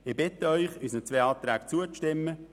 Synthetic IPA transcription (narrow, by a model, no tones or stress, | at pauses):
ɪbɪt̪əœʏχyːsnət͡sveːɑːt̪ɾæːkt͡suəʃtɪmːə